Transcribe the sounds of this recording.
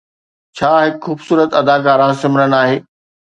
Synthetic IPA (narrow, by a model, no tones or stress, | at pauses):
t͡ɕʰaːɦɪkxuːbsuːɾət̪ɐd̪akaːɾãsɪmɪnənaːɦeː